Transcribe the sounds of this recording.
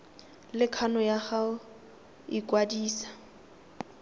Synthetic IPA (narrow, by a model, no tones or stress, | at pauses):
lɪkʰanɔjaχaʊ | ikwadiːsḁ